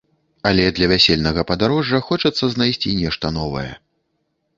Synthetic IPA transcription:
ɐlʲɛd̪lʲɐvʲasʲelʲnɐɣɐpɐd̪aɾɔʐːɐxɔt͡ʂɐt̪sːɐznajsʲt͡sʲinʲɛʂt̪ɐn̪ɔvɐ̰jɛ̰

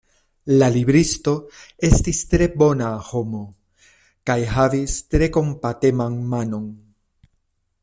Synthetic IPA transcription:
laliβɾist̪o̞e̞st̪ist̪ɾe̞bo̞naːhomo | kajhavist̪ɾe̞ko̞mpat̪emaŋmano̞ŋ

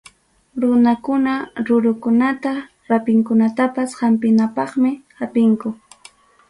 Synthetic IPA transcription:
ɾʊnakʊnaɾʊɾʊkʊnat̪a | ɾapɪŋkʊnat̪apashampɪnapɑχmɪhapɪŋkʊ

